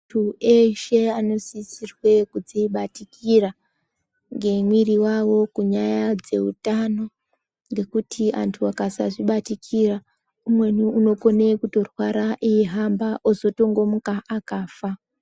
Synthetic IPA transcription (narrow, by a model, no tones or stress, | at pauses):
tʰueʃe̞ano̞sisirwe̞kud͡ziiɓatikira | ŋɡe̞mwiriwawo̞kuɲajad͡ze̞̰utano̞ | ŋɡe̞kutʰiʔa̰ntʰuakasaʐiɓatikʰira | umwe̞nuuno̞ko̞nekuto̞rwaɾaʔiiɦambaʔozo̞to̞ŋɡo̞mukaʔakaːfa